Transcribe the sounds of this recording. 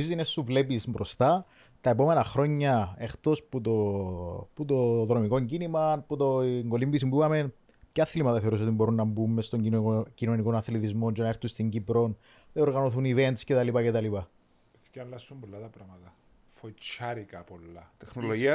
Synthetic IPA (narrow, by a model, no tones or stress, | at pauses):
zinesːuvlepisbɾost̪ɐ | t̪ɐepo̞me̞nɐxɾo̞ɲːɐext̪o̞sput̪o | put̪oðɾo̞miko̞ɲɟinimɐnput̪oŋɡo̞limbisimbuɐmen | cɐθilimɐt̪ɐθeo̞ɾus̬o̞t̪imbo̞ɾunːɐmbumːest̪o̞ɲcino̞niko̞nɐθlet̪izmo̞nd͡ʒenɐeɾθunst̪iɲɟipɾo̞n | ðeo̞ɾɣɐno̞θunivent̪scet̪ɐlipɐcet̪ɐlipɐ | eθcɐlːɐsːumbolːɐt̪ɐpɾɐmɐt̪ɐ | fot͡ʃːɐɾikɐpolːɐt̪exnoloʝiɐ